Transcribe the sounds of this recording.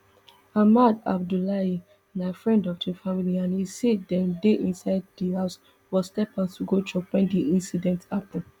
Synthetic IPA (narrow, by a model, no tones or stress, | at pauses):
amada̰b̚dulai | naɪfɹɛ̃ndɔfdifamiliãnhiseddɛ̃mdeʔĩnsaɪd̚dihaʊs | wɔstɛpãntuɡot͡ʃɔkwɛ̃ndiĩnsidɛ̃ntʰapɛ̃n